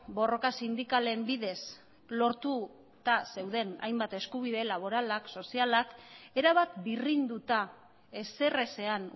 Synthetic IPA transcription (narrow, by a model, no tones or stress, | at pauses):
bo̞ro̞kasind̪ikale̞mbiðe̞s | lo̞ɾt̪u | t̪ase̞wðe̞na̰jmbat̪e̞skuβ̞iðe̞laβ̞o̞ɾalakso̞sialake̞ɾaβ̞at̪birind̪ut̪a | e̞se̞re̞se̞an